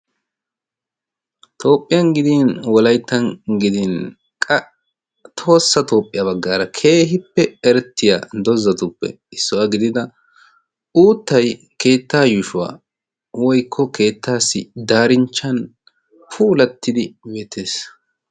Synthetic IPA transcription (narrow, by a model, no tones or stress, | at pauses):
t̪ʰo̞ːpʼːɪjɐnɡɪd̪inwɔlɐjt̪ːɐnɡɪd̪in | kʼɐ | t̪ʰo̞ːsːɐt̪o̞ːpʼːɪjɐbɐɡːaːɾɐkʰe̞ːɦɪpːɛɛɾɛt̪ʰːɪja̰d̪ɔzːɐt̪ʊpːɛ̰ | ɪsːɔwɐɡɪd̪ɪd̪ɐ | uːt̪ːɐj | ke̞ːt̪ːaːjʊʃʊwa̰ː | wɔjkʰːɔkʰe̞ːt̪ʰːaːsːɪd̪aːɾɪnt͡ʃːɐn | pʰuːlɐt̪ːɪd̪ɪbe̞ːt̪ʰːe̞ːs